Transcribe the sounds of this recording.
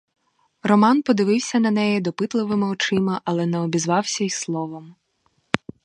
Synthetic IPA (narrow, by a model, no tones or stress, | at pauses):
rɔmɑnpɔd̪ɪʋɪwsʲɐnɐnɛjid̪ɔpɪt̪lˠɪʋɪmɪɔt͡ʃɪmɐʔɐlˠɛnɛɔbʲizʋɑwsʲɐislˠɔʋɐm